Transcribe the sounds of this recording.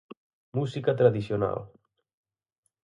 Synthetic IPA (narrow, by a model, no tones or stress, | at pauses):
muzikat̪ɾaðisiona̰lˠ